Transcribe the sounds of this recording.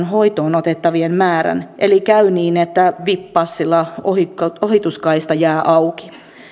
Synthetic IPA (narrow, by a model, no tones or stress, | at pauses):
nɦo̞it̪oːnot̪et̪ːɑʋienmæːɾæ̰nʔḛlikæyniːnet̪ːæʋipːɑsːilːɑohiohit̪uskɑist̪ɑjæːʔɑwki̥